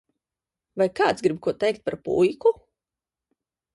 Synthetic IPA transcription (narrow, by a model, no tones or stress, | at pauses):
vajkaːt̪sɡɾibkuɔt̪ɛjkt̪̚paɾpṵjku